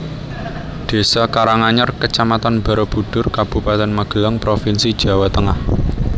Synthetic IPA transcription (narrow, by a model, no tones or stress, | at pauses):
ɖ̪̥e̤sɔkaɾaŋaɲɔrkət͡ʃamat̪anb̥a̤ɾob̥ṳɖ̥ʊrkab̥ṳpat̪ɛnmaɡ̥ə̤ləŋpɾofinsid̥ʒ̥a̤wat̪əŋah